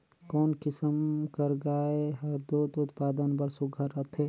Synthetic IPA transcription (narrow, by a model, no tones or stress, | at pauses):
kɔːnkɪsəmkəɾɡaːeɦɐɾd̪oːt̪ʊt̪paːd̪ənbɐɾsʊɡʱəɾɐt̪ʰeː